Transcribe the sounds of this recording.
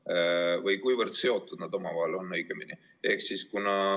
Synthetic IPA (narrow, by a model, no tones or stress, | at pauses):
vɤjkujvərd̪̥se̞o̞t̪ːˑud̪̥̚nɑd̪o̞mɑvɑɦelo̞nːɤjɡ̥emini | e̞hksiskunɑ